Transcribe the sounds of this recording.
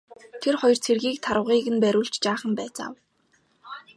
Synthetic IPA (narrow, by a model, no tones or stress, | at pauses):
t̪ʰerχɔjɞ̆rt͡sʰerɣiːk̚t̪ʰaɾə̆wʁiːɣɘ̆npæɾʲʊːɮt͡ɕt͡ɕaːχə̆mpæːt͡sa̰w